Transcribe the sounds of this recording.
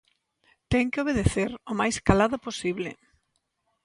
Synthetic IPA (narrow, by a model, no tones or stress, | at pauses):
t̪ɛŋkɪoβ̞eð̞eθeɾʊmajskalaðʊposiβlɪ̰